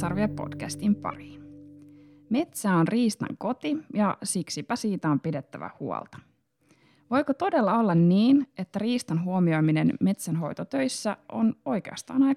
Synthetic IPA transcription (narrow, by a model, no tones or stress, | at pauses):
ɑrʋiepo̞̰d̥kæst̪impɑ̰riːn | me̞t̪sæːonriːst̪ɑ̰ŋko̞t̪ijɑsiksipæsiːt̪æo̞mpide̞t̪ːæʋæ̰huo̰lˠt̪ɑ̥ | ʋo̞jkot̪o̞de̞lːɑo̞lːɑnniːne̞t̪ːæriːst̪ɑnɦuomio̞jminenme̞t̪sænɦo̞jt̪ot̪ø̞jsːæʔono̞jke̞̰ɑ̰st̪ɑ̰ːnɑj